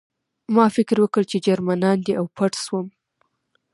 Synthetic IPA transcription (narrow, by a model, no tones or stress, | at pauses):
mɑfɪkɾwəkəɽt͡ʃed͡ʒaɾmanɑnd̪iawpaʈswəm